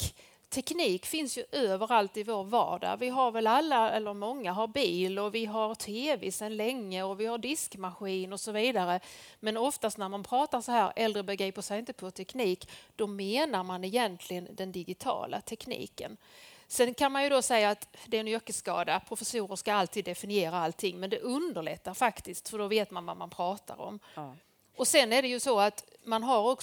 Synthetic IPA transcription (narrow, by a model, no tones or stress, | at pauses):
t̪ʰɛkniːkfɪnsjɵʔøːvəɾalt̪ɪvoːɾvɑ̰ːɖa̰vɪɦaɾvɛlalːaɛlːəɾmɔŋːaɦaɾbiːlɔvɪɦaɾt̪ʰeːvḛsɛnlɛŋːəɔvɪhaɖɪskmaɧiːnɔsɔviːd̪aɾəmɛnɔft̪ast̪næɾmanpʰɾɑːt̪asɔɦæːɾɛld̪ɾəbɛɡɾiːpəʂɛjɪnt̪ə̥pʰɔt̪ʰɛkniːkd̪̥ɔmeːnaɾmanɛjɛnt̪ʰlɪɡənd̪ɛnd̪ɪɡɪt̪ʰɑ̰ːla̰t̪ʰɛknḭːkə̰nsɛnkʰanmanjɵd̪ɔsɛjːaːt̪d̪ɛnœkːəskɑ̰ːd̪apʰɾʊfɛsuːɾəʂkaalt̪ʰiːd̪ːɛfɪnɪeːɾaalt̪ʰːɪŋːmɛnd̪ɛʔɵnd̪əɾɭɛ̰t̪ːaɾfakt̪ɪskt̪fœɖɔveːt̪manva̰ɾmanpʰɾɑːt̪a̰ɾɔ̰m | ɔsɛnæɖɛjɵsɔat̪manɦaɾɔk